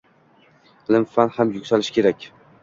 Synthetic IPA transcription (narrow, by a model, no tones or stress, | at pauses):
lɪmfanhamjʊkʲsalɪʃkʲe̞ɾakʲ